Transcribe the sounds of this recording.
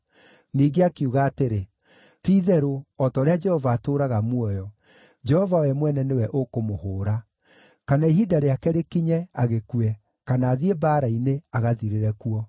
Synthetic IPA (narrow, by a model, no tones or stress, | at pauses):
niːɡeakiuɣaːteɾe | tiːðɛɾoɔtɔːɾead͡ʒɛhɔvaːtoɾaɣamwɔjɔ | d͡ʒɛhɔvawɛmwɛnɛnewɛʔokomohoːɾa | kanaiɦidaɾeakɛɾekiɲɛaɣekuɛ | kanaːðiebaːɾaineaɣaðiɾeɾɛkuɔ